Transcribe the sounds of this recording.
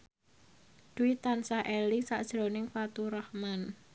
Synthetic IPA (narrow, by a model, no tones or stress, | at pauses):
d̪̥uit̪ansaʔelisaʔd̥ʒ̥ɾo̤nɪŋfat̪uɾahman